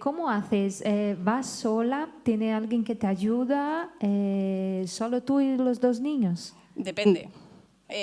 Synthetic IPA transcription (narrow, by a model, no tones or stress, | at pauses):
komoaθesɛβasolat̪jenealɡjeŋket̪aʝuðaɛ | solot̪uilozd̪ozniɲos | d̪epend̪e